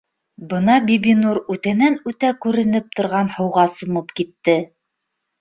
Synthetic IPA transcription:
bɤnɑbibinuɾʉt̪ænænʉt̪ækʉɾɘ̆nɘp̚t̪ŏɾʁɑnhɤ̆wʁɑsŏmɤpkit̪ːɘ

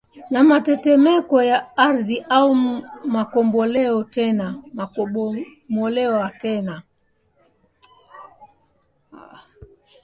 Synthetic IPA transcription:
namatɛtɛmɛkɔjaaɾðiʔaumakɔmbɔlɛɔtɛnama | mɔlɛwatɛna

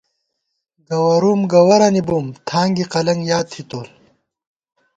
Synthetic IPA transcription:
ɡɐwɐɾuːmɡɐwɐɾɐnibuːmt̪ʰaːŋɡiqɐlɐŋɡjaːt̪ʰit̪oːl

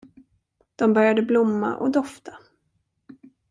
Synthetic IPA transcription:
d̪̥ɔmbœɾjad̪əblʊmːa̰ʔɔ̰d̪ɔft̪ʰḁ

